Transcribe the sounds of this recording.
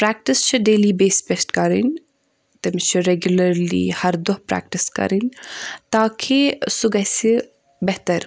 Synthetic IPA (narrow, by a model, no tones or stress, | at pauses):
pɾɛːk̚ʈist͡ʃʰiɖeːliːbeːspesʈkɐɾḭn | t̪ɐmit͡ʃʰiɾeɡjulɐɾlḭhɐɾd̪oɦpɾɛ̰ːk̚ʈɪskɐ̰ɾint̪aːkʰisuɡɐsi | bɛɦt̪ɐɾ